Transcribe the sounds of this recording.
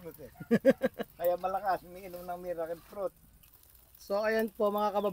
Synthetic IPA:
ut̪ɛ | kɐjamɐlɐkasmiːnʊmnɐŋmiɾakɪnpɾot̪̚ | soajanpomɐŋakɐbab

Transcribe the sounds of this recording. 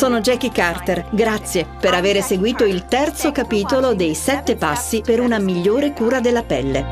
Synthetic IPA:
soːnod͡ʒɛkikart̪erɡɾat̪sːjepeɾaveːɾeseɡwiːt̪oilt̪ɛrt̪sokapiːt̪olod̪ejsɛt̪ːepasːipeɾunamiʎːoːɾekuːɾad̪elːapɛlːḛ

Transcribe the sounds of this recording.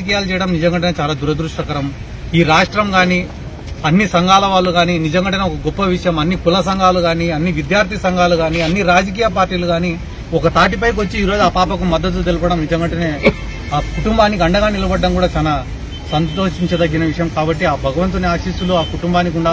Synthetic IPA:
ɐk̬iːjaːlut͡ʃɛjɐɽɐmnid͡ʒɐŋɡɐɳʈɐneːt͡ʃaːlaːd̪uɾɐd̪ɾuʂʈɐkɐɾɐm | iːɾaːʂʈɾɐmɡaːni | ɐnːisɐŋɡʱaːlɐʋaːlːuɡaːninid͡ʒɐŋɡɐɳʈɐneɔkɐɡɔpːɐʋiʂɐjɐmɐnːikulɐs̬ɐŋɡʱaːluɡaːniɐnːiʋid̪jaːɾt̪ʰisɐŋɡʱaːluɡaːniɐnːiɾaːd͡ʒɐk̬iːjɐp̬aːɾʈiːluɡaːni | ɔkɐt̪aːʈ̬ipɐjk̬ot͡ʃːiiːɾo̞ːd͡ʒaːpaːpɐk̬umɐd̪ːɐt̪̬ulut̪elipɐɽɐmnid͡ʒɐŋɡɐɳʈɐneː | aːkuʈumbaːnːikɐɳɖɐɡaːnilɐbɐɖːɐmkuːɽaːt͡ʃaːlaː | sɐnt̪o̞ːʂiɲt͡ʃɐd̪ɐɡːinɐʋiʂɐjɐmkaːbɐʈːiaːbʱɐɡɐʋɐnt̪̬ɐniaːʃiːsuluaːkuʈumbaːnːikuɳɖaː

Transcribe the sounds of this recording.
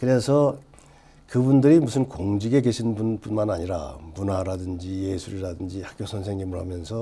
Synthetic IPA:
kɯɾe̞sʰʌ | kɯbundɯɾimusʰɯnkoŋd͡ʑiɡe̞ɡe̞ɕʰinbunpunmanaɲiɾa̰munaɾadɯnd͡ʑijesʰuɾiɾadɯnd͡ʑihak͈̚josʰʌnsʰeŋɡimɯɭhamjʌnsʰʌ

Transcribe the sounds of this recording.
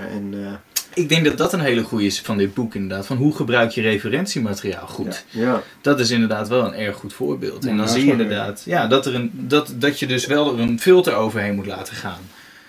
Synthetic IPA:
ɛnɪɡ̚dɛŋkɡ̚dɑt̚dɑtənɦejləχujəɪsfɑndɪd̚bukɪndəɹdaːtfɑnɦuχəbrœɥkjərejfərɛntsimatəria̰ːlˠχutd̥ɑtɪs̬ɪndəɹdaːtʋɛlˠənɛɹχːutfʊ̰ːɹbɪ̰ːlˠtɛndɔnzijəɪndəɹda̰ːtjaːdɑtərəndɑtdɑtjədɵsʋɛlˠənfɪlˠtəɹowvəɹɦejnmutla̰ːtəχaːn

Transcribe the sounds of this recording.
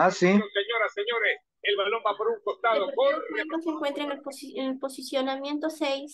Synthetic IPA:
asiseɲo̞ɾasːeɲo̞ɾes | elβalo̞mbapoɾuŋkost̪aðokoɾenoseŋkwent̪ɾenelposenelpo̞sisjonamje̞nt̪osejs

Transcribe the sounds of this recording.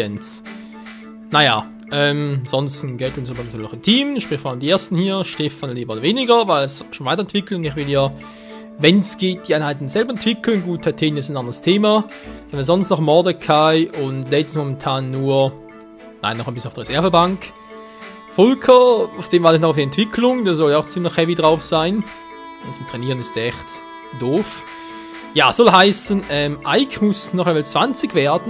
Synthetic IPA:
ɛns | naja̰ː | ʔɛːmz̥ɔnstn̩ɡɛltʊnsaːbɐntːlnɔχɪmtʰiːmʃpʁ̥ɪçxfɔʁaləmd̥iːeːɐstn̩hiːɐʃtɛfanliːbɐodɐveːnɪɡɐvaɪlsʃoːnvaɪtɐɛntv̥ɪkl̩ʊndɪçvɪljaː | vɛnsɡ̥eːt̚d̥iːʔaɪnhɦaɪtn̩zɛlbɐɛntv̥ɪkl̩nɡuːtʰatʰeːnɪsnʔandʁəstʰeːmḁ | anmiːɐzɔnstnɔχmɔɐdəkʰaɪʔʊndleːtəsmɔmɛntʰaːnːuːɐ | na̰ɪnːɔχanbɪsn̩aʊfdiːʁez̥ɛɐvəbaŋk | fɔlkʰəaʊfd̥eːmvaːtɪçnɔχaʊfd̥iɛntv̥ɪkʰlʊŋdaːzɔljaʊxt͡sɪmlɪçhɛvidʁaʊfsaɪn | ʊnt͡sʊmtʁ̥ɛniːʁənɪstːɛçt | d̥oːf | ja̰ːsɔlɦaɪsənɛːmʔaɪçmʊsnɔχɛmaːlt͡sv̥ant͡sɪɡvɛːɐdn̩

